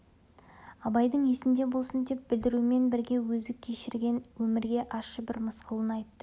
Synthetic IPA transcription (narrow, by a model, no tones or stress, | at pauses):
ɑbɑjd̪əɴe̞sɪnd̪e̞bo̞lˠsənd̪e̞p̚bɪld̪ɪɾume̞nbɪɾɡʲe̞wɵzɪkʲʰe̞ʃɪɾɡʲe̞nwɵmɪɾɡʲe̞ʔɑsʃəbɪɾməsqəlˠənɑjt̪ːə